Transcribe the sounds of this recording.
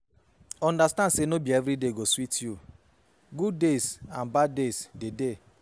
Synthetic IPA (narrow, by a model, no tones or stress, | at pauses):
ɔ̃ndastãndsenobiɛvɾideɡoswitju | ɡuddesãnbaddesdede